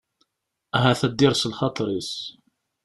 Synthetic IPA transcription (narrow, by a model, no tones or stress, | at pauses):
æɦæθæd̪ːɪɾsəlχɑt̪ˤɾis